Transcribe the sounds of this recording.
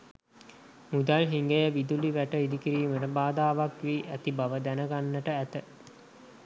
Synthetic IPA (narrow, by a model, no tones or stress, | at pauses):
mud̪alɦiŋɡəjəʋid̪uliʋæʈəid̪ikiɾiːməʈəbaːd̪aːʋakʋiːʔæt̪ibaʋəd̪ænəɡanːəʈəæt̪ə